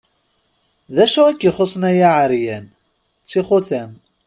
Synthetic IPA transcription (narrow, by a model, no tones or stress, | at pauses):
ðæʃuækːiχosˤnæjaʕəɾjæn | t͡sːiχoθæm